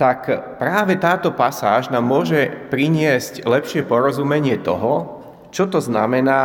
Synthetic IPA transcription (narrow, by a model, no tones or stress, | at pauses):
t̪akpɾaːʋɛt̪aːt̪ɔpasaːʒnaːmːʊɔʒɛpɾiɲɪɛsclɛpʃɪɛpɔɾɔzumɛɲɪɛt̪ɔ̰ɦɔ | t͡ʃɔt̪ɔzna̰mɛnaː